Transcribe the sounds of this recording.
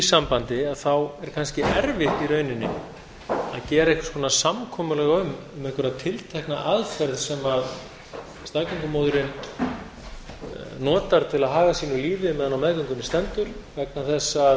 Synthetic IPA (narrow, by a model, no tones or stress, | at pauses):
isampant̪ɪaðθawɛɾ̥kʰanscɪʔɛɾvɪxt̪iɾœɥnɪnːɪ̰ | aðcɛːɾejhkskʰɔːnasamkʰɔːmʏlɛːɣaʏm | ʏmɛhkʏɾaðt̪ʰɪlt̪ʰɛhknaʔaðfɛɾðsɛmað | st̪aːkœŋkʏmowðʏɾɪn | nɔːt̪aɾ̥t̪ʰɪlaðɦaːɣasiːnʏliːvɪmɛðanawmɛðkœŋkʏnɪst̪ɛnt̪ʏɾ̥vɛknaθɛsːa